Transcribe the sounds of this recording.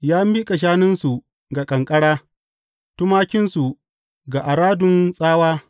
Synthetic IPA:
jaː˦mi˦kʼa˨ʃ̬aː˦nɪ˦nsu˨ | ɡa˨kʼɐ˨ŋkʼɐ˦ɽaː˦ | tʊ˦maː˦kʲɪ˦nsu˨ | ɡa˨ʔa˨ɽaː˦dʊ˨nsʼaː˦waː˦

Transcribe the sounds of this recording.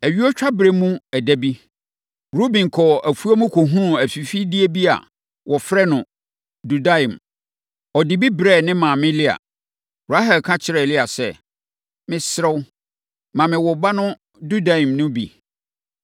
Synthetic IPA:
æ˨ɥi˦ɔ˦t͡ɕᶣa˦bɾe˦mũ˦æ˨dæ˦bi˦ | ɾo˦bĩ˨n˨kʰɔ˨æ˨fu˦a˦mũ˦kʰo˨ɦũ˦˨æ˨fi˨fi˦di˦e˦bi˦a̰˨ | wʔɔ˨fɾɛ˦nʊ̃˨ | du˨da˦ĩ˨m | ɔ˨dɪ˨bi˦bɾɛ˦˨nɪ̃˦mã˨mɪ̃˦lɪ˦a̰˨ | a˦ɦɛ˨lkʰã˦t͡ɕʰɪ˦ɾɛ˨lɪ˦a˨sɛ˨ | mɪ̃˦sɾɛ˦w | mã˨mɪ̃˨wɔ˨ba˦nʊ̃˦ | du˦da˨ĩ˨mnʊ̃˦bḭ˨

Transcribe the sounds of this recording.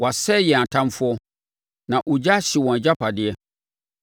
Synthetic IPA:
wa˨sɛ˦jɛ˨a˨tʰã˦mfʊ˦ɔ˦ | nã˨ʔu˨d͡ʑa˦ɕɪ˨wɔ̃˨n˨d͡ʑa˦pʰa˨dɪ˨ɛ˦

